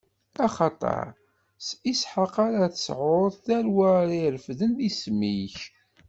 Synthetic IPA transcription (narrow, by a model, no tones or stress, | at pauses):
ɑχɑt̪ˤɑ̰ɾˤ | sisħaqaɾaθə̥sʕoðˤθæɾwæɾiɾfðənðismiç